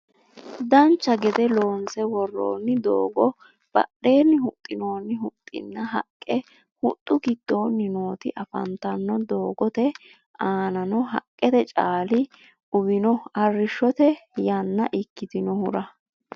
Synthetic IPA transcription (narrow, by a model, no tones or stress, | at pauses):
d̪ɐnt͡ʃːɐɡɛd̪ɛlo̞ːnsɛwɔrːo̰ːnːɪd̪o̰ːɡɔ | b̥ɐ̰ɗːe̞ːnːɪhʊt̪ʼːɪno̞ːnːɪhʊt̪ʼːɪ̰nːɐɦɐ̰kʼːɛ | hʊt̪ʼːʊɡɪd̪̥ːo̞ːnːɪno̞ːt̪ɪʔɐfɐ̰nt̪ɐnːɔd̪o̞ːɡɔt̪ɛ | aːnɐnɔɦɐ̰kʼːɛt̪ɛt͡ʃʼaːlɪ | ʔʊbɪnɔɐrːɪʃːɔt̪ɛjɐnːɐʔɪkːɪt̪ɪnɔhʊɾɐ